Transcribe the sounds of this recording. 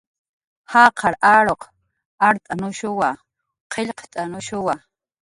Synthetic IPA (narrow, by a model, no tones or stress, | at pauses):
hɑːqʰɑɾaɾoq | aɾt̪ʼanʊʃʊwa | qʰeʎqʰt̪ʼanʊʃʊwa